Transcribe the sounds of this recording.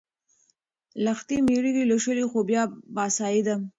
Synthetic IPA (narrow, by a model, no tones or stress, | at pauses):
laxt̪imiɽiɡiloʃəlixobjɑbɑsɑid̪a